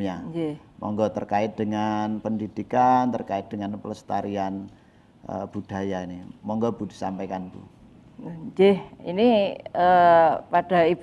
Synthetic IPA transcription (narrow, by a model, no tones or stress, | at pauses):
jad͡ʒmʔɔ̰ŋɡɔt̪ərkaɪt̪̚dəŋanpəndid̥ikant̪ərkaɪt̪̚d̥əŋanpələst̪aɾian | ʔə̰b̥ṳd̥a̤jainimɔŋɡɔb̥ud̥i̤sampakanbṵ | d͡ʒehiniəpad̥a̤ib